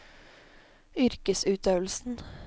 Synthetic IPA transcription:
ʏɾkəsʉːt̪ʰøːʋl̩sn̩

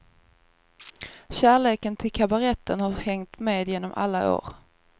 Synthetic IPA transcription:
ɕæːɭeːkənt̪ʰɪlkʰabaɾɛt̪ʰːənhahɛŋt̪meːd̪jeːnɔmʔa̰lːa̰ʔo̰ːɾ

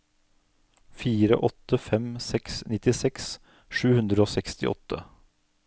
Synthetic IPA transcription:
fiːɾə̰ʔɔt̪əfɛmsɛksnɪt̪ɪsɛks | ʃʉːhʉnd̪ɾəoːsɛkst̪ɪ̰ʔɔ̰t̪ʰə

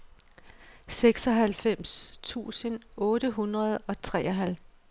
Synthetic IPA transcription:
seɡ̥sɒ̽ɦælfem̰st͡sʰṵːsənɔ̽ːɾ̥əɦunʁɐð̞̩ˠɒ̽t͡sʰʁɛ̰ːɒɦæl

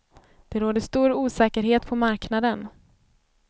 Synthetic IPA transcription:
d̪̥ɛɾoːd̪əʂt̪uːɾuːsɛːkəɾɦeːt̪pʰɔmaɾknad̪ən

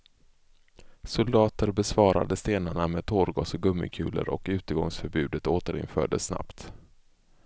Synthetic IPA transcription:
sʊld̪ɑːt̪əɾbɛsvɑːɾa̰d̪əst̪eːnaɳameɛːd̪̚t̪ʰoːɾɡɑːsɔɡɵmːɪ̰kʰʉ̟ːlə̰ɾʔɔ̰kʉ̟ːt̪əɡɔŋsfœɾbʉ̟ːd̪ət̪oːt̪əɾɪ̰nfœːɖəsːna̰pt̪

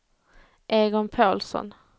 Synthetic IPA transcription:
ʔeːɡɔnpʰoːlsɔ̰n

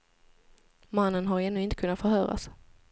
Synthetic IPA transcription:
manːənɦaɾɛnːʉːɪnt̪ə̥kʰɵnːat̪fœɾhœːɾa̰s

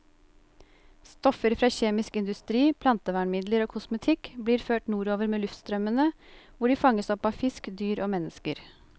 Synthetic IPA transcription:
st̪ɔfəɾfɾɑːçeːmɪskɪnd̪ʉst̪ɾiːpʰlɑnt̪əʋæːɳmɪd̪ləɾoːkʰʊsmət̪ʰɪkbliːɾføːʈnuːɾoːʋəɾmeːlʉft̪st̪ɾœmənəʋʊɖiːfɑŋːəsɔpɑfɪskd̪yːɾʔoːmɛnəskəɾ

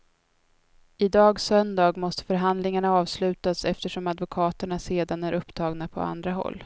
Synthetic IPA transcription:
ɪd̪ɑːɡsœnd̪ɑːɡmɔst̪ə̥fœɾɦand̪lɪŋaɳaɑːvslʉ̟ːt̪asɛft̪əʂɔmad̪vʊkʰɑːt̪əɳaseːd̪anæɾʔɵpːt̪ʰɑːɡnapʰɔ̰a̰nd̪ɾaɦɔ̰lː

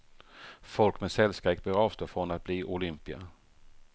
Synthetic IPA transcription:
fɔlkmɛsɛlskɾeːk̚bøɾɑːft̪əfɾɔnat̪̚b̥liːʔʊlʏmpɪa̰

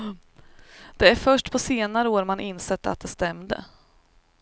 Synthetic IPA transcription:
d̪̥ɛæɾfœʂʈpʰɔseːnaɾəoːɾmanʔɪnsɛt̪ːat̪̚d̪ɛst̪ɛmd̪ə̰

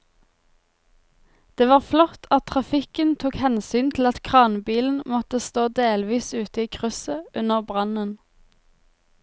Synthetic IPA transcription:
d̪̥eːʋɑːʁflɔt̪ʰɑt̪̚ʰʁɑfɪkənt̪ʰuːkhɛnsyːnt̪ʰl̩ɑt̪kʰʁɑːnbiːln̩mɔt̪əst̪oːd̪eːlʋiːsʉːt̪əiːkʰʁʉsəʔʉnəʁbʁɑnən

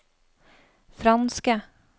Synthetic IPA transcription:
fɾɑnskə

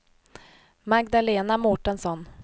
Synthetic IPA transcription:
maɡd̪aleːnamɔʈənsɔn

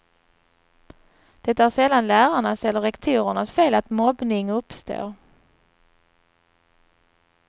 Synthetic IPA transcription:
d̪̥ɛt̪ːaæʂɛlːanlæːɾaɳasɛlːəɾɛkt̪ʰuːɾəɳasfeːlat̪mɔbnɪŋɵpst̪o̰ːɾ

